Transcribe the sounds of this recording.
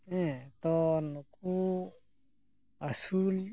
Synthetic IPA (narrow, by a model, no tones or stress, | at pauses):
ɛ̃t̪ɔnuku | asul